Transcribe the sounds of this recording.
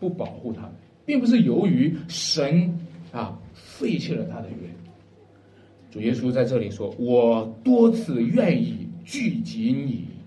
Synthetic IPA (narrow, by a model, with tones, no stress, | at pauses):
pu˥˩pɑ˨˩ʊxu˥˩t̪ʰa̰˥ | pi˥˩ŋpu˧˩ʂ̬ɻ̩˥˩jo˧˥ʊy˧˥ʂə˧˥nɐ˧fe˥˧ɪt͡ɕʰɛ˥˩lə˩t̪ʰa˥d̪ə˨ɥɛ̰˥˩n | ʈ͡ʂu˨˩jɛ˥su˥t͡sa˥˧ɪʈ͡ʂɤ˥˩li˨˩ʂwɔ˥wɔ˨˩t̪wɔ˥t͡sʰɹ̩˥˩ɥɛ˥˧ni˥˩t͡ɕy˥˩t͡ɕi˧˥ni˨˩˦